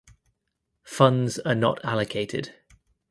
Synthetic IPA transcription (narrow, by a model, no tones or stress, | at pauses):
fʌ̃ndz̥ənə̰tʰaləkʰeɪtʰɪ̰d̥